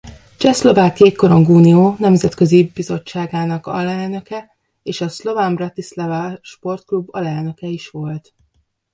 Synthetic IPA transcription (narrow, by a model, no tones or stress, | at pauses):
t͡ʃɛslo̞vaːkiekoɾo̞ŋɡuːnioːnɛmzɛt̪kø̞zibizo̞t͡ʃːaːɡaːnɒkɒ̰lɛlnø̞kɛ | eːʃɒslo̞vambrɒt̪islɒvɒʃpo̞rt̪klubːɒlɛlnø̞kɛiʃʋo̞lt̪